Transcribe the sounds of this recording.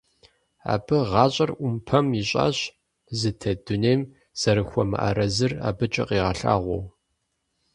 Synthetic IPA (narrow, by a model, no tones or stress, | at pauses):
a̰ːbɨʁɑːɕʼɐrʔʷʊmpʰɐmiɕʼa̰ːɕ | zɨtʰɐdʊneːm | z̥ɐɾɨxʷɔmɨ̰ʔɐ̰ɾɐzɨra̰ːbɨt͡ʃʼɐ̰qiːʁɐɬa̰ːʁʷɔ̰w